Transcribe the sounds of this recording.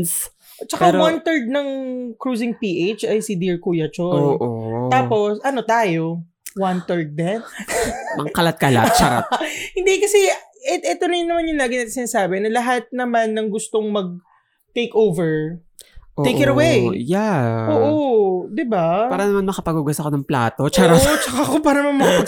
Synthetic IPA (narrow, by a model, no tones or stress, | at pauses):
s | t͡ʃɐkpaɾwant̪ɛɹd̪̚nɐŋkɹuːsɪŋpiːʔejt͡ʃɐjsid̪ɪɹkuːjɐt͡ʃonoʔoaːpo̞sʔɐno̞t̪aːjo̞ | want̪ɛɹd̪̚ːɛnmɐ̰ŋkɐlat̪̚kɐla̰t̪̚t͡ʃɐka̰hɪnd̪ikɐsɛɛʔɛːt̪onɐjʊnɐmanjʊŋlaːɡɪnɐt̪sɪnaːsaːbɛnɐlɐɦat̪̚nɐmanːɐŋɡʊst̪o̞ŋmɐɡ̚ | t̪ejkowvɛɹ | ʔ̪ejʔkɛɾɐwejjaʔoːʔod̪ɪbaaːɾɐnɐmanmɐkɐpɐɡuɡɐsɐkonɐŋpla̰ːt̪ot͡ʃaɾat͡ʃɐkakopaːɾɐmɐmɐ